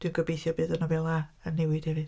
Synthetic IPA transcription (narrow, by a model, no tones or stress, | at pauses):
d̥winɡ̥əbejθjɔbɨːðənɔvɛlˠaənːɛwɪd̥hɛvɨð